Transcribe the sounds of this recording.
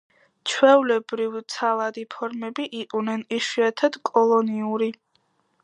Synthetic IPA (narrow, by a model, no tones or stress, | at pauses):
t͡ʃʰwɛulɛbɾivt̪sʰalˠad̪ipʰɔɾmɛbiʔiqʼunɛniʃiat̪ʰad̪̥kʼɔlˠɔniuɾi